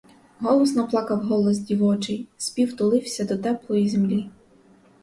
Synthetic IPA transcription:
ɦɔlˠɔsnɐplˠɑkɐwɦɔlˠɔzdʲiʋɔt͡ʃɪjspʲiwt̪ʊlˠɪwsʲɐd̪ɔt̪ɛplˠɔjizemlʲi

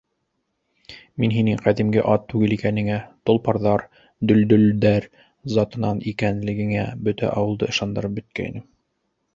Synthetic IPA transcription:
minɦinɘŋqæðimɡɘʔɑt̪ːʉɡɘlikænɘ̆ŋæt̪ŏlˠpɑɾðɑɾ | d̪ɵ̆ld̪ɵ̆ld̪æɾ | zɑt̪ɤ̆nɑnikænlɘ̆ɡɘ̆ŋæbɵt̪æ̰ʔɑwɤ̆lˠd̪ɤɤ̆ʃɑnd̪ɤ̆ɾɤp̚bɵ̆t̪̚kæ̰j̰nɘm

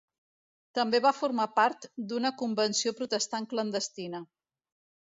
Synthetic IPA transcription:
t̪əmbeβafuɾmapaɾt̪d̪unəkumbənsiopɾut̪əst̪aŋklənd̪əst̪inə

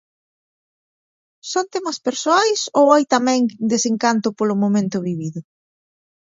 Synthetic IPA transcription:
sont̪ɛmɐspeɾsoajsowajt̪amɛ̃ŋd̪eseŋkant̪ʊpolʊmomẽnt̪ʊβiβiðʊ

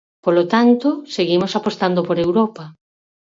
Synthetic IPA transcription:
polot̪ant̪oseɣimosapost̪and̪opoɾewɾɔpa

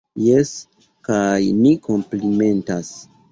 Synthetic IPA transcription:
jes | kajniko̞mplime̞ntas

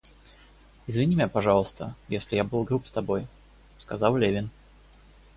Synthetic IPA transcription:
ɪzvʲɪnʲimʲjʲapɐʐɑlˠəst̪ʰəjesʲlʲɪjabɨlˠɡɾupst̪ɐboj | skɐzɑlˠlʲevʲɪn

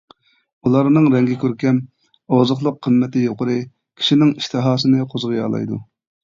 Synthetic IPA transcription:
ulˠɑɾnɨŋɾɛŋɡʲɛkʲøɾkʲɛm | oʁzʊχlˠʊqʰːəmmɛt̪ɪjoqəɾɨ | kʲʰi̥ʃinɪŋiʃt̪ʰɨɦɑːsɨnɨqʰozʁɨjɑ̰ːlˠɑ̰jd̪ṵ

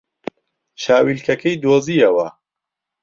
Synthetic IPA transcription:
ʃaːwilkɐkʰɐjd̪oːziɐwɐ

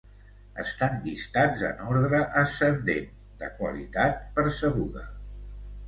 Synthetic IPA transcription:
ə̰st̪and̪ist̪ad͡zə̰nɔɾðɾəʔəsənd̪en | d̪ə̰kwə̰lit̪at̪̚pəɾsəɣ̞uðə̰

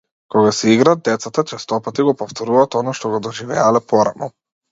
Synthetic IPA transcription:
kɔɡasɛiɡɾad̪̚d̪ɛt̪sat̪at͡ʃɛst̪ɔpat̪iɡɔpɔft̪ʰɔɾuvaːt̪ɔnaʃt̪ɔɡɔd̪ɔʒivɛalɛpʰɔɾanɔ

